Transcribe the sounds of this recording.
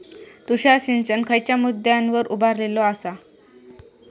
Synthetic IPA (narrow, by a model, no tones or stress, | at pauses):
t̪uɕaɕint͡ɕənkʰəjt͡ɕjamud̪jãnʋəɾubaɾlelɔasa